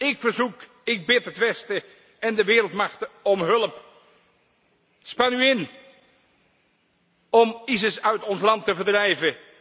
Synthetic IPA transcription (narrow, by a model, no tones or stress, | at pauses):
ɪkfəɹzuk | ɪɡ̚bɪtɦətʋɛstə | ɛndəʋɪːɾəlˠtmɑχtəɔmɦɵlˠəp | spɑnyɪn | ɔmisəsœɥtɔnslɑntəvəɹrdrɛjvə